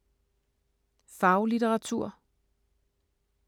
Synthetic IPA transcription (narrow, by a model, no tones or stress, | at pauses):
fɑ̈ʊlit͡seʁɑ̈t͡sʰuɐ̰